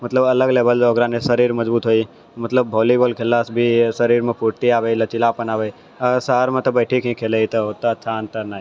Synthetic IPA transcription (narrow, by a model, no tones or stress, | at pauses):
mɐt̪ləbɐləɡleːbəld͡ʒɔːɡɾãnesəɾiːɾmɐd͡ʒbuːt̪ɦoːi | mɐt̪ləbːʱoːliboːlkʰelaːsbʱisɐɾiːɾmẽpʰuʈt̪iaːʋelɐt͡ʃɪlaːpənaːʋei | səɦəɾmẽt̪obəɪʈʰikʰɦĩkʰeːleit̪oɦot̪aʃʰaənt̪əɾnaːi